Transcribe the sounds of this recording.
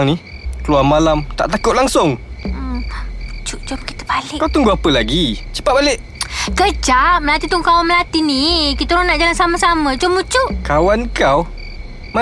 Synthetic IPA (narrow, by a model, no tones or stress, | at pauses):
ŋni | kəluwarmalamt̪a̰ʔt̪akʊt̪ʔ̚laŋsʊŋmut͡ʃuʔt͡ʃɔmki̥t̪ə̥balɪkawt̪uŋɡuapəlaɡit͡ʃə̥pat̚balɪʔ | kəd͡ʒaʔməlat̪it̪ɔŋkawanməlat̪inikit̪əɾɔnaʔd͡ʒalansaməsamə̃t͡ʃɔmːut͡ʃuʔkawankaw | ma